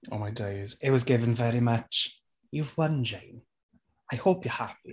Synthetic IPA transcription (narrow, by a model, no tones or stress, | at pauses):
o̰ʊmaɪdeɪzɪʔ̚wɒzɡɪvə̃nvɛɹimʌt͡ʃ | jɨvwʌ̃nd͡ʒẽɪ̃n | aɪhoʊpjə˞hap̚i